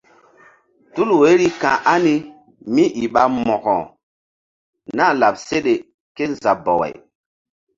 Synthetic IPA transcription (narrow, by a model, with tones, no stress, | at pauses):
tu˦lwe˨˦ɾi˦kã˨ʔa˦ni˦ | mi˦ʔi˨ɓa˦mɔ˨kɔ˨ | na˦˨la˨p̚se˦ɗe˨ | ke˦n˦za˨bɔ˨wḛ˨j